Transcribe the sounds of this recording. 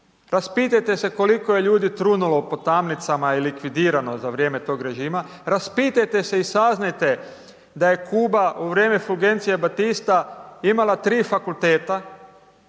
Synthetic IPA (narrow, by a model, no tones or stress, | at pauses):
ɾaspiːt̪ajt̪e̞se̞ko̞liko̞je̞ʎuːd̪it̪ɾunulo̞po̞t̪amnit̪samailikʋid̪iːɾano̞zaʋɾje̞ːme̞t̪o̞ːɡɾe̞ʒiːma | ɾaspiːt̪ajt̪e̞seisaznajt̪e̞ | d̪aje̞kʰuːbauʋɾje̞ːmefulɡe̞nt̪sije̞bat̪ist̪aimalat̪ɾiːfakult̪eːt̪a